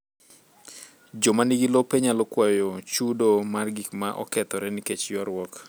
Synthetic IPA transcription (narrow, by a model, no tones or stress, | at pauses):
d͡ʒomaniɡilopeɲalɔkwajɔt͡ʃudomarɡikmaʔɔ̰kɛt̪ɔɾɛniket͡ʃjɔɾwɔk